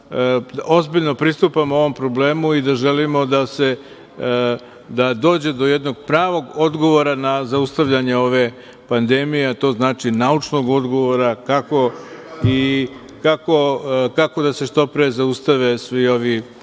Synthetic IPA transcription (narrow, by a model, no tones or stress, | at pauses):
o̞zbiʎno̞pɾist̪upamo̞ʋo̞mpɾo̞ble̞ːmuid̪aʒe̞limo̞d̪ase̞ | d̪ad̪o̞ːd͡ʑe̞d̪o̞jed̪no̞ɡ̚pɾaːʋo̞ɡo̞d̪ɡo̞ʋo̞ɾanazaust̪aʋʎaɲeo̞ʋe̞ | pand̪emijeat̪o̞znaːt͡ʃinaut͡ʂno̞ɡo̞d̪ɡo̞ʋo̞ɾakako̞i | kako̞kako̞d̪ase̞ʃt̪o̞pɾezaust̪aʋe̞sʋio̞ʋi